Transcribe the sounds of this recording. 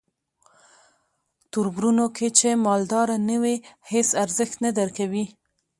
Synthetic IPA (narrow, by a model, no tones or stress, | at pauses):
t̪uɾbɾunokʰet͡ʃemɑld̪ɑɾanəwehesaɾzəxt̪nad̪aɾkawi